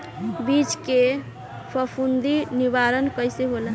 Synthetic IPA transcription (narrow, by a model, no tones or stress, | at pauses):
bit͡ʃke | pʰəpʰund̪iniʋaɾənkəjseɦola